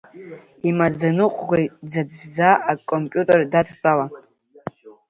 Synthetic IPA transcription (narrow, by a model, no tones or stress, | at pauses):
imad͡zanɨqʷʼɡʷajd͡zad͡zzd͡zaakʼompʲʼjutʼerdatʰtʼala